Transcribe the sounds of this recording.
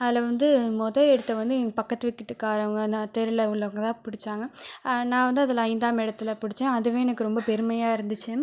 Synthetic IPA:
ɐðɪlɐʋɐnd̪ɯmɔðɐɛɽɯt̪ːɐʋɐnd̪ɯpɐkːɐt̪ːɯʋɪkːɪʈːɯkːaːɾɐʋɐŋɡɐnãt̪ɛɾɯlɐʊɭːɐʋɐŋɡɐt̪ãːpʊɽɪt͡ʃːaːŋɡɐnãːʋɐnd̪ɯɐðɪlɐɐɪnd̪aːmɪɽɐt̪ːɪlɐpʊɽɪt͡ʃːẽːɐðɯʋẽːɛnɐkːɯɾɔmbɐpɛɾɯmɐjaːɪɾɯnd̪ɯt͡ʃːɯ

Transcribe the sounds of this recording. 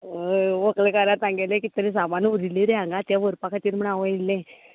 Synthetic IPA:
ʋəklekaɾat̪ãŋɡelẽkit̪əɾis̬amanuɾiliɾeãŋɡat̪jaʋəɾpakʰat̪iːɾm̤əɳaʋəilːẽ

